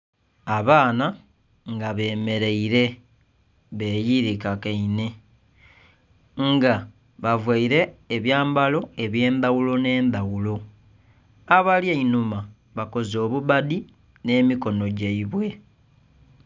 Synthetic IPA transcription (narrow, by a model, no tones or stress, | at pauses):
aβaːna | ŋɡaβe̞ːme̞ɾe̞iɾe̞ | βe̞ːjiɾikakeine̞ | ŋɡa | βavwaiɾe̞ːβjaːmbalo̞e̞βje̞ːndawulo̞ne̞ːndawulo̞ | aβaljeinuma | βako̞zo̞ːβuβadi | ne̞ːmiko̞no̞ɟaiβwe̞